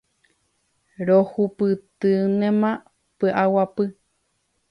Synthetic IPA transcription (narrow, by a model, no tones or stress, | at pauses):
ɾohupɨt̪ɨnẽmã | pɨʔawapɨ